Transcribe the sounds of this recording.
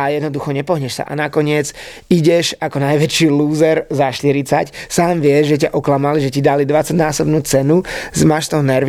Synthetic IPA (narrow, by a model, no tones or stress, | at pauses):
ajɛd̪nɔd̪uxɔɲɛpɔɦɲɛʃsa̰ʔa̰nakɔɲɪɛd͡z | iɟɛʒakɔnajʋɛt͡ʃiluːzɛɾzaʃt̪iɾit͡sacsaːmʋɪɛʒʒɛc̬aʔɔklamaliʒɛcid̪alid̪ʋat͡saɟnaːsɔbnuːt͡sɛnuzmaʃt̪ɔʊnɛɾʋ